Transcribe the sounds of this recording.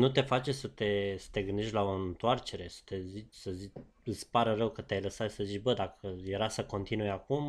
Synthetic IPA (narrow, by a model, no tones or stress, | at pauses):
nut̪e̞fat͡ʃesət̪e̞sə̥t̪e̞ɡɨnd̪eʃt̪ʲlao̞ɨnt̪oart͡ʃe̞ɾe̞sə̥t̪e̞zit͡ʃʲsəzit͡ʃ | ɨsʲpaɾərəwkət̪eajləsat̪ʃi̥səzit͡ʃʲbəd̪akʰəje̞ɾasəko̞nt̪inujakum